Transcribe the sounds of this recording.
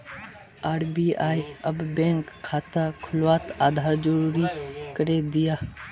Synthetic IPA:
aːɽbiːaːjəbbɛ̃ːŋkʰːaːt̪akʰʊlʋaːt̪aːd̪ʱaːɾd͡ʒəɾuːɾikəɾed̪ɪjaː

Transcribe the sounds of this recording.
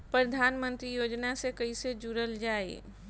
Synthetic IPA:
pɾəd̪ʱaːnmə̃nt̪ɾijoːd͡ʒnasekəised͡ʒuɾəld͡ʒaːḛ

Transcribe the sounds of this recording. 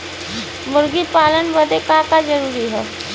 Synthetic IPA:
muɾɡiːpalənbəd̪ʱekakad͡zəɾuːɾiɦɛ

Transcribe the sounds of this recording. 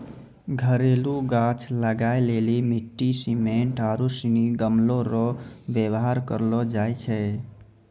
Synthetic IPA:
ɡʱəɾeluɡat͡ʃʰləɡaelelimiʈːisimeɳʈaɾusiniɡəmloɾɔbjəwɦaɾkə̰ɾlɔd͡ʒajt͡ʃʰɛ

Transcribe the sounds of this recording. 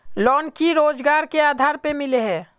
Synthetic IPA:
lɔːnkiɾoːd͡ʒɡaɾkeaːd̪ʱaːɾpemɪleɦɛː

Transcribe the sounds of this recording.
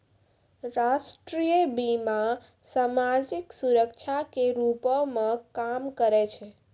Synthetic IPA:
ɾasʈɾijəbima | samad͡ʒiksuɾəkt͡ʃʰakeɾupɔmekamkəɾet͡ʃʰɛ

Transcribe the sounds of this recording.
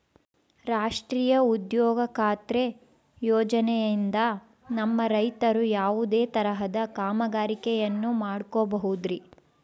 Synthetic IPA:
ɾaːʂʈɾiːjɐud̪jɔːɡɐkʰaːt̪ɾe | jɔːd͡ʒɐnɛjind̪ɐ | nɐmːɐɾɐjt̪ɐɾujaːʋud̪eːt̪ɐɾɐɦɐd̪ɐkaːmɐɡaːɾikɛjɐnːumaːɽkobɐɦud̪ɾi

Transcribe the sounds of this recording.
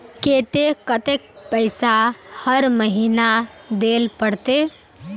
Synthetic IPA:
ket̪ekət̪ek̚pəɪsahəɾməɦinad̪elpəɽt̪e

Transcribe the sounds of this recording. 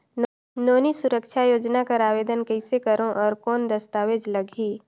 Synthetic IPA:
n | noːnisʊɾəkʃʰajoːd͡ʒnakɐɾaːʋeːd̪ənkəɪsekəɾõʔɔːɾkɔːnd̪ɐst̪aːʋed͡ʒlɐɡʱiː

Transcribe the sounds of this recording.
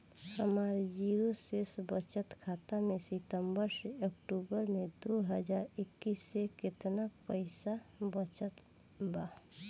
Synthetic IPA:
həmaːɾd͡ʒiɾosesbət͡ʃət̪kʰaːt̪amẽsɪt̪əmbəɾseəkʈuːbəɾmẽd̪oɦəd͡ʒaːɾɪkːisːekɪt̪napəɪsabət͡ʃət̪ | ba

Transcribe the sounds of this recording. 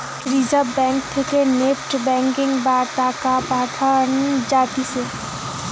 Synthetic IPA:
ɾizəbɛ̃ːŋk̚t̪ʰekenefʈbɛ̃ːŋkɪ̃ŋɡbaːɾt̪aːkapaːd̪ʰaːnd͡ʒaːt̪ise

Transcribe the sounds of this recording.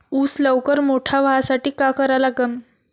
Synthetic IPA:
uːsləwkəɾmoʈʰaʋɦasaʈiːkakəɾalaɡəm

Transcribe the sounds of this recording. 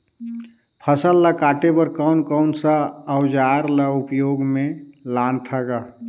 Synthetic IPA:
pʰəsəlːakaːʈebəɾkəʊnkəʊnsaːʊd͡ʒaːɾlaʊpjoːɡmẽlaːnt̪ʰaɡa

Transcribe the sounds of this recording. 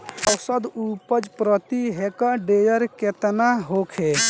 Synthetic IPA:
ɔwsəd̪upəd͡ʒpɾɔt̪iɦekaɖejəɾket̪naɦokʰe

